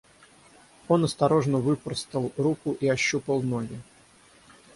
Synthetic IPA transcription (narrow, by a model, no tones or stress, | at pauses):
o̞nɐst̪ɐɾo̞ʐnəvɨpərst̪əlˠrukʊʔiɐɕːupəlˠno̞ɡʲɪ